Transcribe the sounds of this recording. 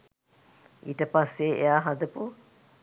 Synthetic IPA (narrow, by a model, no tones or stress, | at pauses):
ʔiʈəpasːeːejaːɦɐd̪əpu